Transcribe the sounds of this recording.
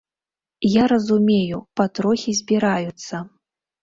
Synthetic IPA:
jaɾɐzumʲejupat̪ɾɔxʲizʲbʲiɾajut̪sːɐ

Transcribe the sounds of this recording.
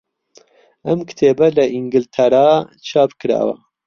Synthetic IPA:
ɐmkʰɨ̥t̪ʰeːbɐlɐʔiŋɡɨlt̪ʰɐɾaːt͡ʃʰɑːpkɨɾa̰ːwɐ̰

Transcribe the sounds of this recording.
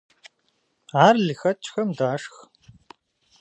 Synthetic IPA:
aːrlɨxɐt͡ʃʰʼxɐmdaːʂx

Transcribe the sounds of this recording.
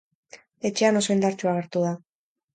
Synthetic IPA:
e̞t͡ʃe̞ano̞so̞ind̪aɾt͡ʃuaɣ̞e̞ɾt̪uð̞a

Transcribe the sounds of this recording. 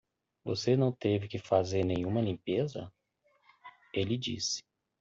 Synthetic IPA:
vo̰senɐ̃w̃t̪evɪkɪfazeɾnẽj̃ũmɐlĩpezɐ | elɪd͡ʒḭsɪ̥

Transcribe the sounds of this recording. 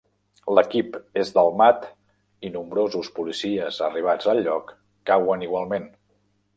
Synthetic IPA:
ləkipezd̪əlˠmat̪ | inumbɾozuspulisiəzə̰riβ̞ad͡zəlʎːɔkː | awəniɣwalˠmen

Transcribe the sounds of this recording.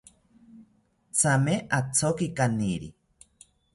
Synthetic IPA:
t͡sʰameʔat͡sʰokikaniɾḭ

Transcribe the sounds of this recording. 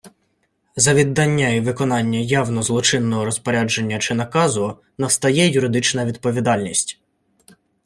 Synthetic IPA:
zɐʋʲid̪ːɑnʲːɐiʋɪkɔnɑnʲːɐjɑwnɔzlˠɔt͡ʃɪnːɔɦɔɾɔspɔɾʲad͡ʒe̞nʲːɐt͡ʃɪnɐkɑzʊ | nɐst̪ɐjɛjʊɾɪd̪ɪt͡ʃnɐʋʲid̪̚pɔʋʲid̪ɑlʲnʲisʲtʲ

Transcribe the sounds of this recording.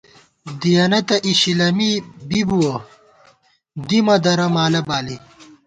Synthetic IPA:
d̪ijɐnɐt̪ɐʔiɕilɐmibibuwɐ | d̪imɐd̪ɐɾɐmaːlɐbaːli

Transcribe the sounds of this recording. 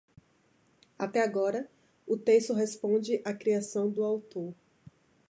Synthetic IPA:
at̪ɛaɡɔɾɐ | ʊt̪est̪ʊɦespõd͡ʒɪʔakɾiasɐ̃w̃d̪ʊawt̪oɾ

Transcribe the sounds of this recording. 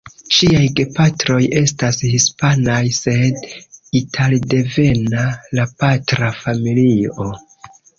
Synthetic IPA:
ʃiajɡe̞patɾo̞je̞stashispanajse̞ditʰalde̞ve̞nalapatɾafamilio̞

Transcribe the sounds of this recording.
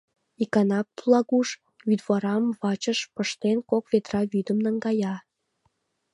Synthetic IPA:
ikɑnɑplˠɑɣuʃ | vyd̪βɑɾɑmβɑt͡ɕəʃpəʃt̪enkokβet̪rɑβyd̪əmnəŋɡɑjɑ

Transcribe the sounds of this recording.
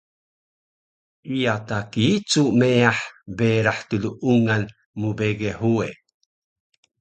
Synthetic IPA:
ijatakit͡sumeaħbeɾaħtuluʔuŋan | mubeɡeħue

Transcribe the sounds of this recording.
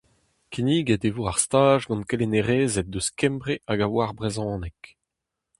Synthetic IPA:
kiniːɡɛd̪evoaʁst̪aːʒɡɑ̃nkeleneʁeːzɛt̚d̪øskɛ̃mbʁeʔaɡawaʁbʁezɑ̃ːnɛk

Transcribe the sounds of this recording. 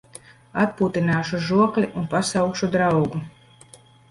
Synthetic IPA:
at̪̚puːt̪inaːʃuʒuɔklʲiʔunpasawkʃud̪ɾawɡu

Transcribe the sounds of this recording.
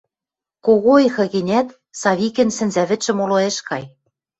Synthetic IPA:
koɣoexɤ̆ɣĕnʲæt̪ | sɑβikɘ̆nsɘ̆nzæβɘ̆ʃɘ̆moloeʃkɑj

